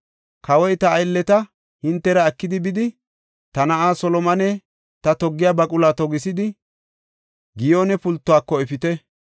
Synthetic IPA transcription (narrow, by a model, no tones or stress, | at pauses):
kʰɐwɔjt̪ɐːjlːɛt̪ɐ | hɪnt̪ːɛɾɐːkːɪd̪ɪbɪd̪ɪ | t̪ɐnɐʔaːsɔlɔmɐnɛ | t̪ɐt̪ɔɡːɪjabɐkʼʊlat̪ɔɡɪsɪd̪ɪ | ɡɪjoːnɛpʊlt̪ːʊaːkːɔɛfɪt̪ɛ